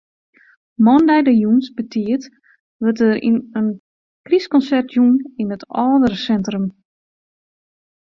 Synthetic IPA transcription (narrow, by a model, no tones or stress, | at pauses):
mɔndɛjdəjunsbətʰiət | ʋətərḭnən | kriskɔnsɛrtʰjuninətʰɔːdəɾəsɛntrəm